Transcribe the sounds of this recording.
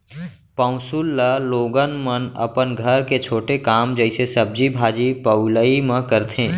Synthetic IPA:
pə̃ʊ̃sulːaloːɡənmənɐ̰pənɡʱɐɾket͡ʃʰoːʈekaːmd͡ʒəɪsesəb̚d͡ʒibʱaːd͡ʒipəʊləimãkəɾt̪ẽː

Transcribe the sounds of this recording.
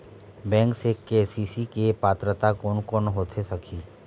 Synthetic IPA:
bɛ̃ːŋksekesiːsikepaːt̪ɾət̪akoːnkoːnɦoːt̪ʰesɐkʰiː

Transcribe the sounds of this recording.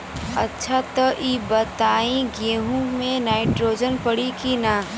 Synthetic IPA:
ɐtːʃʰat̪ɐʔiːbət̪aːĩɡẽːɦũmẽnaːɪʈɾoːd͡ʒənpəɽikina

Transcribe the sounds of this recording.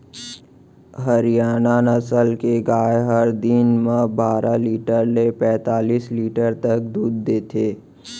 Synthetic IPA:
ɦəɾijaːnanəsəlkeɡaːeɦəɾd̪ɪnmãbaːɾʔaliːʈəɾlepɛ̃ːt̪aːliːsliːʈəɾt̪ək̚d̪uːd̪̚ːeːt̪ʰeː

